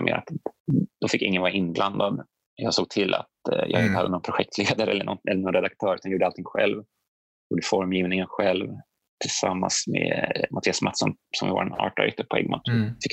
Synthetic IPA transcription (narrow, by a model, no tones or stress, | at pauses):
mʔɛ̰ɾa̰t̪d̪̥ɔfɪkːɪŋːənvɑːɾaɪnːbland̪ad̪ | jɑːɡsoːɡ̚t̪ʰɪlʔa̰t̪jʔɑ̰ːɡɪnt̪əhad̪ːənɔnpʰɾʊɧɛk̚t̪ʰleːd̪aɾəɛlːəɳʔɔnɛ̰lːənɔnɾɛd̪ak̚t̪ʰœːɾʉ̟anjuːɖəalt̪ʰɪŋɧɛ̰lv | juːɖəfɔɾmjiːvnɪŋənɧɛlv | t̪ʰɪlsamːa̰nsmḛmʔat̪ʰiːasmat̪ʂɔn | sɔmvɪ̰vɑ̰ɾanɑ̰ːʈa̰ɾɪ̰t̪ːəpʰɔɛ̰ɡma̰t̪ʂnfɪk